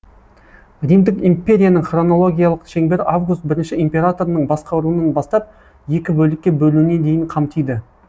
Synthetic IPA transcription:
rijmd̪ɪkimpʲːe̞ɾʲijanəɴχro̞no̞lˠo̞ɡʲijalˠəqʃe̞ŋbe̞ɾavɡʊst̪̚bɪɾɪnʃɪimpʲe̞ɾat̪o̞ɾənəɴbɑsqɑwɾuənənbɑst̪ɑp̚ | je̞kʲɪbɵlɪkʲːe̞bɵluwne̞nd̪e̞jɪɴqʰɑmt̪ijd̪ɪ

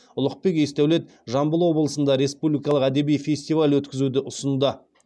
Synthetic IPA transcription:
ʊlˠəq̚pe̞ke̞st̪æwle̞t̪ | ʒɑmbəlˠwo̞bəlˠəsənd̪ɑɾe̞spublʲijkɑlˠəqæd̪e̞bijfʲe̞sʲt̪ijvalʲwɵt̪kʲɪzud̪ɪʔʊsənud̪ə

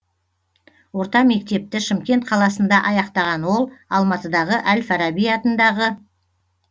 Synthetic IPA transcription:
wo̞ɾt̪ɑme̞k̚t̪e̞p̚t̪ɪʃɪmkʲe̞nt̪̚qʰɑlˠɑsənd̪ɑʔɑjɑqt̪ɑʁɑnwo̞lˠɑlˠmɑt̪əd̪ɑʁəʔælfaɾɑbijɑt̪ənd̪ɑʁə

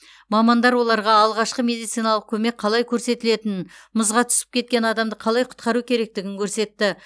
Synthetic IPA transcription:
mɑmɑnd̪ɑɾwo̞lˠɑɾʁɑːlˠʁɑʃqəme̞d̪ijt̪sijnɑlˠəq̚kʲʰɵme̞k̚qʰːɑlˠɑjkʲʰɵɾse̞t̪ɪle̞t̪ɪnməzʁɑt̪ʰʏ̥sɪ̥p̚kʲʰe̞t̪̚kʲe̞nɑd̪ɑmd̪əqʰɑlˠɑjqʰʊ̥t̪qɑɾukʲʰe̞ɾe̞k̚t̪ɪɡʲɪŋkʲʰɵɾse̞t̪ːɪ

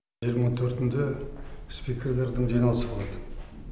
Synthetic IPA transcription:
ʒijəɾmɑt̪ʰɵɾt̪ɪnd̪espʲikʲeɾle̞ɾd̪ɪŋʒijnɑlˠəsəbolˠɑd̪ə

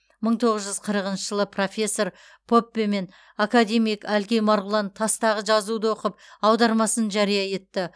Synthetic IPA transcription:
məɴt̪ʰo̞ʁəzʒʏz̥qʰəɾəqənʃəʒəlˠəpʰro̞fʲe̞sːo̞ɾ | pʰo̞pʲːeme̞n | akad̪e̞mijkælɡʲe̞jmɑɾʁʊlˠɑnt̪ʰɑst̪ɑʁəʒɑzud̪əwo̞qəp̚ɑwd̪ɑɾmɑsənʒɑɾijɑje̞t̪ːɪ

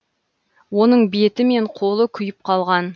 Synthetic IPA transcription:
wo̞nəɴbet̪ɪme̞ɴqʰo̞lˠəkʲʰʏjɪp̚qʰɑlˠʁɑn

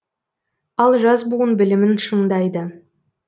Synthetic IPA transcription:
ɑlˠʒɑzbuənbɪlɪmɪnʃəɴd̪ɑjd̪ə

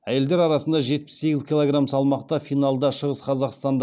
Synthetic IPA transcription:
æje̞ld̪eɾɑɾɑsənd̪ɑʒe̞t̪̚pɪ̥sːe̞ɡʲɪzkʲʰijlˠoɡramsɑlˠmɑqt̪ɑfijnɑlˠd̪ɑʃəʁəsqʰɑzɑqst̪ɑnd̪

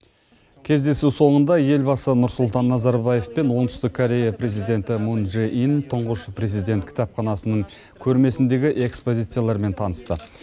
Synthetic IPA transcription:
kʲʰe̞zd̪e̞suso̞ɴənd̪ɑje̞lbɑsənʊɾsʊlˠt̪ɑnːɑzɑɾbɑje̞fpe̞nwo̞ɴt̪ʰʏst̪ɪkʰːoɾʲe̞japɾe̞zijd̪ʲe̞nt̪ɪmunʒeʔint̪ʰəɴʁəʃəpɾe̞zid̪e̞nt̪̚kʲʰɪ̥t̪ɑpχɑnɑsənəɴ | kʲʰɵɾme̞sɪnd̪e̞ɡʲɪʔe̞kspo̞zʲijt̪sɨjalˠɑɾme̞nt̪ʰɑnəst̪ə

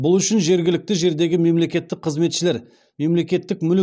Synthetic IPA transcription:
bʊlˠʏʃɪnʒe̞ɾɡʲɪlɪk̚t̪ɪʒe̞ɾd̪e̞ɡʲɪme̞mle̞kʲe̞t̪ːɪk̚qʰəzme̞t̪ʃɪle̞ɾ | me̞mle̞kʲe̞t̪ːɪkmʏl

